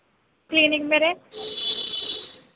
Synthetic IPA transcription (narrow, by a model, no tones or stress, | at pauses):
kliːnɪŋmeːɾe